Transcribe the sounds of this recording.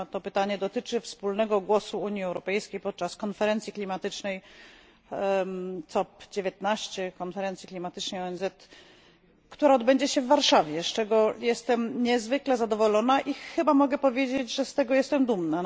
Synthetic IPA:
t̪ɔpɘt̪aɲɛd̪ɔt̪ɘt͡ʂɘfspulnɛɡɔɡwɔsuuɲjiɛwɾɔpɛjskʲejpɔt̪̚t͡ʂaskɔnfɛɾɛnt̪sʲiklʲimat̪ɘt͡ʂnɛj | t̪ɔpd͡ʑevʲjet̪̚naɕt͡ɕɛkɔnfɛɾɛnt̪sʲjiklʲimat̪ɘt͡ʂnɛjɔɛnzɛt̪ | kt̪uɾaɔd̪bɛɲd͡ʑɛɕɛvːaɾʂavʲjɛst͡ʂɛɡɔjɛst̪ɛmɲɛzvɘklɛzad̪ɔvɔlɔnaʔixɘbamɔɡɛpɔvʲjed͡ʑed͡ʑʐɛst̪ɛɡɔjɛst̪ɛmd̪umna

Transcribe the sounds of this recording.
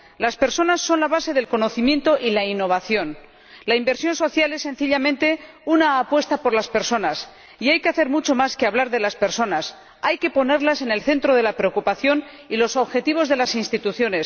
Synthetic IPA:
laspe̞ɾso̞nasːo̞nlaβ̞ase̞ðe̞lko̞no̞θimje̞nt̪o̞ʔilainːo̞β̞aθjo̞n | laimbe̞ɾsjo̞nso̞θjale̞sːe̞nθiʎamẽnt̪e̞ | unaːpwe̞st̪apo̞ɾlaspe̞ɾso̞nas | iajke̞aθeɾmut͡ʃo̞maskeaβlaɾðe̞laspe̞ɾso̞nas | ajke̞po̞ne̞ɾlase̞ne̞lθe̞nt̪ɾo̞ð̞e̞lapɾe̞okupaθjo̞n | ilo̞so̞βxe̞t̪iβ̞o̞zðe̞lasinst̪it̪uθjo̞ne̞s

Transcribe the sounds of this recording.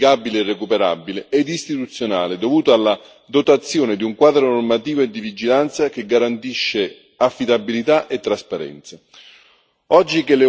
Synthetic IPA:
ɡabileɛrːekupeɾa̰bilɪɛd̪ist̪it̪ut̪sːjona̰ːlɪd̪ovuːt̪oalːa | d̪ot̪at̪sːjoːnɪd̪iuŋkwaːd̪ɾonormat̪iːvoed̪ːivid͡ʒilant̪sak̟eɡːaɾant̪iʃːe | afːid̪abilit̪aʔet̪ːɾaspaɾɛ̰nt̪sa | ɔd͡ʒːikele

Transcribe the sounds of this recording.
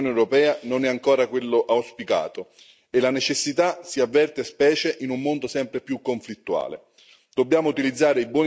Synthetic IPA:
neewɾopɛːanonɛaŋkoːɾakwelːoʔawspika̰ːt̪o | elanet͡ʃesːit̪asiavːɛrt̪espɛːt͡ʃeʔinumːond̪osɛmpɾepjukːoɱflit̪ːua̰ːlḛ | d̪̥objaːmout̪ilid̪zːaːɾeibwɔː

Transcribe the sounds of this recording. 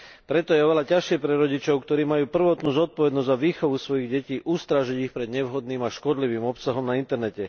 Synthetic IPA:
pɾɛt̪ɔjɛɔʋɛlacaʃɪɛpɾɛɾɔɟit͡ʃɔʊkt̪ɔɾiːmajuːpr̩ʋɔt̪nuːzɔt̪̚pɔʋɛd̪nɔzzaʋiːxɔʋusʋɔjiɣɟɛciːʔust̪ɾaʒiɟixpɾɛd̪ɲɛʋɦɔd̪niːmaʃkɔd̪liʋiːmɔpsaɦɔmnaint̪ɛɾnɛcɛ

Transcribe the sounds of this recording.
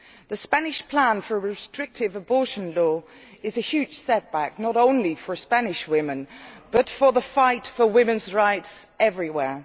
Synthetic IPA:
ðəspanɪʃpʰl̥ãnfəɹəɹɪstɹ̥ɪk̚tɪvəbɔˑʃə̃nlɔː | ɪzəhjʉːd̥ʒ̥sɛt̚b̥ak̚nəɾõʊ̃nlifə˞spanɪʃwɪmɪ̃nb̥ʌtfəðəfaɪtfəwɪmɪ̃nzɹaɪtsɛvɹiwɛː

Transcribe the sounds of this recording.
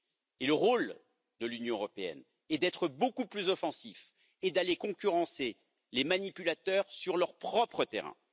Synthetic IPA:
eləʁol | d̪əlynjɔ̃øʁɔpeɛ̰n | ɛd̪ɛt̪χəbokuplyzɔfɑ̃sif | ed̪alekɔ̃kʲyʁɑ̃se | lemanipylat̪œʁsyʁlœʁpχɔpχət̪ḛʁɛ̰̃

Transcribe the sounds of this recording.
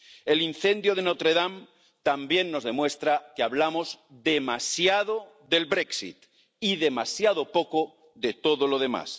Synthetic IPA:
e̞lin̟θe̞nd̪joð̞e̞not̪ɾeðam | t̪ambje̞nːo̞zðe̞mwe̞st̪ɾakeaβlamozðe̞masjaðo | ðe̞lβɾe̞ksḭt̪ | iðe̞masjaðo̞po̞ko | ðe̞t̪o̞ðolo̞ðe̞ma̰s

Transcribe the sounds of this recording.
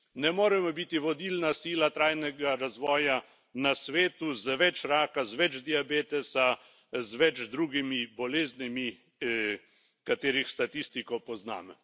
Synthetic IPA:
nɛmoːɾɛmɔbit̪iʋɔd̪iːlnasiːlat̪ɾaːjnɛɡaɾazʋɔːja | nasʋeːt̪uzəʋɛt͡ʃɾaːkazʋɛd͡ʒd̪iabeːt̪ɛsa | zʋɛt͡ʃd̪ɾuːɡimibɔleːznimi | kat̪eːɾixst̪at̪ist̪ikɔpɔzna̰ːmɛ

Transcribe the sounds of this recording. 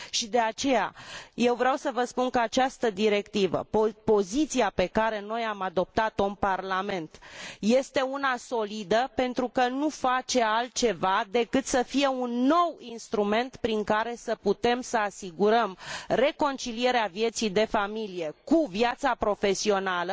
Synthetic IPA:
ʃid̪e̞at͡ʃe̞ja̰je̞wvɾeawsəvəspunkəat͡ʃast̪əd̪iɾe̞kt̪ivə̰popo̞zit̪siape̞kaɾe̞no̞jamad̪o̞p̚t̪at̪oɨnparlame̞nt̪je̞st̪e̞unaso̞lid̪əpe̞nt̪ɾukənufat͡ʃe̞alt̪̚t͡ʃe̞vad̪e̞kɨt̪səfije̞unːo̞winst̪ɾume̞nt̪pɾiŋkaɾe̞səput̪e̞msəasiɡuɾəmre̞ko̞nt͡ʃilie̞ɾeavje̞t̪sijd̪e̞familije̞kuvjat̪sapɾo̞fe̞sio̞nalə

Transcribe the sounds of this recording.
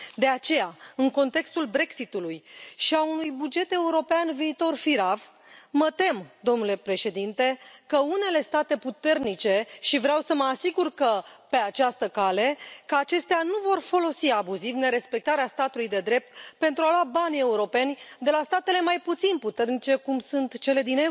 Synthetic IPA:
d̪e̞at͡ʃe̞jaɨŋko̞nt̪e̞kst̪ulbɾe̞ksit̪ulujʃiaunujbud͡ʒe̞t̪e̞uɾo̞peanviːt̪o̞rfiɾav | mət̪e̞md̪o̞mnule̞pɾe̞ʃe̞d̪int̪e̞kəune̞le̞st̪at̪e̞put̪e̞rnit͡ʃe̞ʃivɾeawsəməasiɡurkəpe̞at͡ʃast̪əkale̞kəat͡ʃe̞st̪eanuvo̞rfo̞lo̞siabuzivne̞ɾe̞spe̞k̚t̪aɾeast̪at̪ulujd̪e̞d̪ɾe̞p̚t̪pe̞nt̪ɾualoabanʲe̞uɾo̞pe̞nʲd̪e̞last̪at̪e̞le̞majput̪sinput̪e̞rnit͡ʃe̞kumsunt̪t͡ʃe̞le̞d̪ine

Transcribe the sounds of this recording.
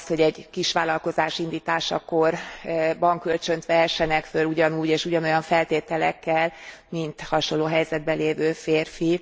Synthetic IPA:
st̪ho̞ɟɛɟkiʃʋaːlɒlko̞zaːʃind̪iːt̪aːʃɒ̰korbɒŋkø̞lt͡ʃø̞nt̪ʋɛɦɛʃːɛnɛkføluɟɒnuːɟeːʃuɟɒno̞jɒɱfɛlt̪eːt̪ɛlɛ̰kːɛlmint̪hɒʃonlːoːɦɛjzɛd̪̚bɛleːvøːfeːrfi

